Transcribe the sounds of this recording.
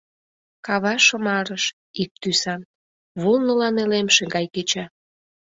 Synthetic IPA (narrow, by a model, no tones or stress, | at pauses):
kɑβɑʃə̆mɑɾəʃ | ik̚t̪ysɑn | βulnəlɑnelemʃeŋɡɑjket͡ɕɑ